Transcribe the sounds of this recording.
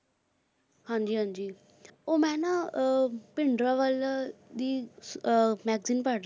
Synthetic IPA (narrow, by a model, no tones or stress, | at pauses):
hãɲd͡ʒiːɦãnd͡ʒiː | omɛːna | pɪɳɖɾaʋalad̪i | mɛɡzinpaʈ